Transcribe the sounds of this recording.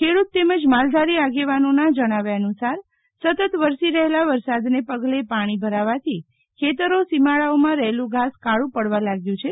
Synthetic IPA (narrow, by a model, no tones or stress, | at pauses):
kʰeɽut̪ːeməd͡ʒmald̪ʱaɾiaɡeʋanonad͡ʒəɽ̃aʋaənusaɾ | sət̪ət̪ʋəɾsiɾəɦelaʋəɾsad̪nepəɡlepaɽ̃ibʱəɾaʋat̪ʰi | kʰet̪əɾosimaɭaomãɾəɦelũɡʱaskaɭũpəɽʋalaɡjũt͡ʃʰe